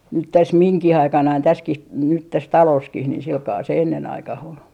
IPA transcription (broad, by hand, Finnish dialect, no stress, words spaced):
nyt tæs miŋkih ɑikɑnɑin tæskih nyt tæs tɑloːskih niːh silkɑː se enːen ɑikɑh ol